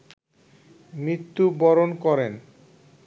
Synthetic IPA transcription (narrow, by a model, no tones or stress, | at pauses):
mɾit̪ːubɔɾonkɔɾen